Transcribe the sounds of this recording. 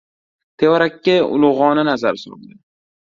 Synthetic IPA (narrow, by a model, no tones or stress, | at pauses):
t̪ʰe̞wɒɾakʲːaʊ̰lˠʊʁɒnanazaɾsʊɾʊ̰lˠd̪ɪ